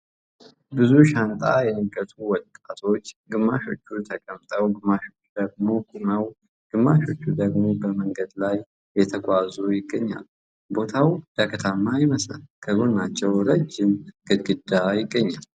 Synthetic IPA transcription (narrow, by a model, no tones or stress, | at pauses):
bɨzuʃant̪ʼajɛnɨɡət̪ʰuwɔd̪ʼat̪ʰo̞t͡ʃːɡɨmːaʃo̞t͡ʃːut̪ʰəkʼəmt̪ʼəwɡɨmːaʃo̞t͡ʃːud̪əɡmo̞kʼuməw | ɡ̥ɨmːaʃo̞t͡ʃːud̪əɡmo̞bəməŋɡəd̪lajː | ɛt̪ʰəɡʷazujɪɡːəɲːa̰l | bo̞t̪ʰawd̪̥akʰət̪ʰamːajɪməsa̰lkʰəɡonnat͡ʃːɛwɾəd͡ʒːɪmɡ̥ɨd̪ɡɨd̪ajɪɡːəɲːal